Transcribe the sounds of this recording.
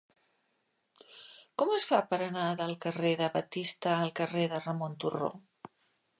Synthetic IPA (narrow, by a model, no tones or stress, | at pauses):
kɔməsfapəɾənaðəlˠkəreðəβət̪ist̪əːlˠkəreðərəmont̪uro̰